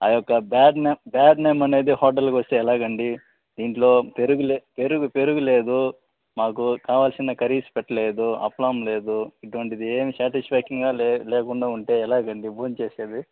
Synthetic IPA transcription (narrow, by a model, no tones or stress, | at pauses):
aːjɔkːɐbaːɖnebaːɖneːmɐne̞ːd̪ihɔːɾʈ̬ɐlkʋɐst̪eːɛlaːɡɐɳɖi | d̪̥iːɳʈlo̞ːpeɾuɡulepeɾuɡupe̞ɾuɡule̞ːd̪u | maːkukaːʋaːlsinɐkɐɾiːspɛʈːɐle̞ːd̪uɐ̰plaːmle̞ːd̪uiʈuʋɐɳʈid̪ieːmisaːʈid͡ʒpʰaːkiŋɡaːleːkuɳɖaːuɳʈe̞ːɛlaːɡɐɳɖiboːnt͡ʃe̞ːse̞ːd̪i